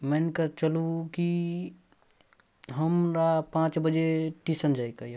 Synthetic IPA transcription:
mɛnkət͡ʃəluki | ɦəmɾapãt͡ʃbəd͡ʒeʈisənd͡ʒaikəj

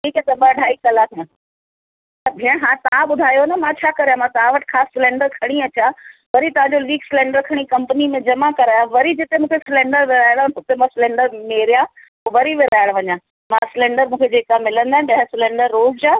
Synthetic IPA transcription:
ʈʰiːkɛ̃ːt̪ɐbəɖʱaːikɐlat̪ʰĩ | t̪ɐbʱɪəɽ̃ɦãːt̪ɐãɓʊd̪ʱaːjonɐmãt͡ɕʰaːkɐɾejãmãt̪ɐʋãʋɐʈɪ̥̆kʰaːsːɪlɛ̃ːɳɖəɾkʰɐɽ̃iɐt͡ɕaːʋɐɾit̪ɐʋãɲd͡ʑoliːksɪlɛ̃ːɳɖəɾkʰɐɽ̃ikɐmpənimẽd͡ʑɐmakɐɾaːjaʋɐɾid͡ʑɪt̪emũːkʰesɪlɛ̃ːɳɖəɾʋɪɾaːɪɽʊt̪emãsɪlɛ̃ːɳɖəɾmeːɾija | oʋɐɾiʋɪɾaːɪɽʋɐɲã | mãsɪlɛ̃ːɳɖəɾmũːkʰed͡ʑeːkamɪlə̃nd̪aːɦɪnɗɐɦɪsɪlẽːɳɖəɾːoːzd͡ʑaː

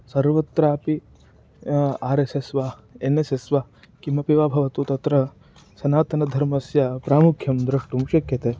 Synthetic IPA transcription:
sɐɾʋɐt̪ɾaːpi | aːɾesesʋaː | enesesʋa | kimɐpiʋaːbʱɐʋɐt̪uːt̪ɐt̪ɾɐ | sɐnaːt̪ɐnɐd̪ʱɐɾmɐsjɐpɾaːmukʰjɐmd̪ɾɐʂʈumʃɐkjɐt̪eː

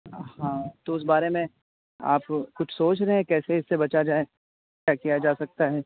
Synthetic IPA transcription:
hãːt̪oʊs̬baːɾemẽ | a̰ːpkʊt͡ʃʰsoːt͡ʃɾɐɦɛ̃kɛːseɪsːebɐt͡ʃad͡ʒaːe | kjaːkijad͡ʒaːsɐk̚t̪aɦɛː

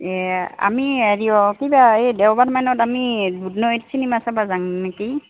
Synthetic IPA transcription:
ɛa̰miaɹiɔkibaedɛwbatmanɔtamibudnɔetsʰinimasabazaŋneki

